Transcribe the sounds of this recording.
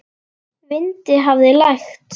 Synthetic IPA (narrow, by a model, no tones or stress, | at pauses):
vɪnt̪ɪɦavðɪlajxt̪